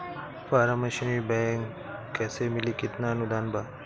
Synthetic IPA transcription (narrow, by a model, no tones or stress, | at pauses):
faːɾamɐʃnibɛ̃ːŋkː | ɛːsemɪlikɪt̪naɐnʊd̪aːnbaː